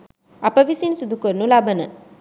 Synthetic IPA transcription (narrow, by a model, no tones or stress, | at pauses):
ɐpəʋisinsud̪ʱukoɾnulabənə